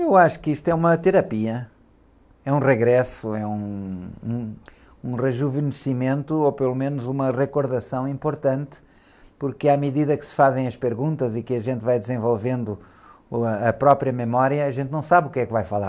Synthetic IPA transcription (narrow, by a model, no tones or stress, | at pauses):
ewaʃu̥kiʃt̪ɛumɐt̪ɨɾɐpiɐ | ɛũʁɨɣɾɛsuɛũ | ũʁɨʒuvɨnɨsimẽnt̪uopɨlˠumenuzumɐʁɨkuɾðɐsɐ̃w̃ĩmpuɾt̪ɐ̃nt̪ɨ̥ | puɾkɨamɨðiðɐkɨ̥sɨ̥fazẽj̃ɐʃpɨɾɣũnt̪ɐzikɨɐʒẽnt̪vajd̪ɨzẽvolˠvẽnd̪u | ɐpɾɔpɾjɐmɨmɔɾjɐːʒẽnt̪nɐ̃w̃saβukɛkvajfɐlˠa̰ɾ